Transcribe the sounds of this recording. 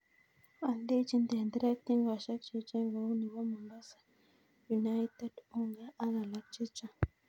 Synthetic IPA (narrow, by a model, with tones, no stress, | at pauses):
a˨nd̪e˦t͡ʃi˦˨nd̪e˨nd̪ɾa˦t̪i˦ŋɡwa˨ʃa˦t͡ʃi˨t͡ʃe˦ŋɡo˨u˦ni˨wa˦mu˨mba˦sḁ˨ | ju˨na˦jt̪e˦du˦ŋɡa˦a˦na˨la˨˦t͡ʃi˦t͡ʃa˨